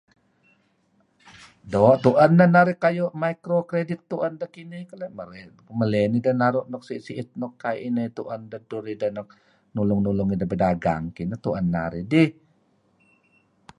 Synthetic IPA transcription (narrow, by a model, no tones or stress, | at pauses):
dɔʔt̪uʔənːanaɾikajoʔmaikɾokɾedɪt̪ːuʔəndəkinikəleʔmə | məlɛnidənaɾuʔnɔk̚siʔsiʔit̪̚nɔkːajʔinət̪uʔəndəduɾidənɔk̚ | nulʊŋnulʊŋidəbədaɡa̰ŋkinət̪uʔənːa̰ɾidih